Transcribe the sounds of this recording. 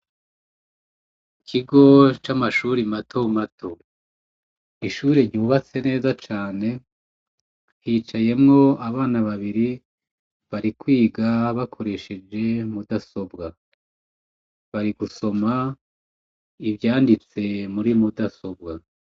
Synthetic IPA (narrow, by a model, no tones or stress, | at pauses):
kʰiɡo̞t͡ʃamaʃuːɾimatʰomatʰo̞ | iʃuːɾeɲuːβat͡se̞ne̞ːzat͡ʃaːne̞ | hiːt͡ʃaje̞mŋo̞aβaːnaβaβiɾi | βaɾikwiːɡaβakʰo̞ɾe̞ʃe̞d͡ʒe̞mudaso̞bɡa | βaɾiɡuso̞ma | ivjaːndit͡se̞muɾimudaso̞bɡa